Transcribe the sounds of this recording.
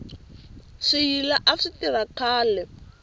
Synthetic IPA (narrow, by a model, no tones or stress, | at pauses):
ʂijilaʔaʂitiβakʰaːlɛ